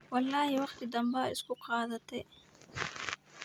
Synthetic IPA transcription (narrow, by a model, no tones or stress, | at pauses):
wɐlːaːɦiwɐxt̪id̪ɐmbaːɪ̰skokʰaːd̪ɐt̪eː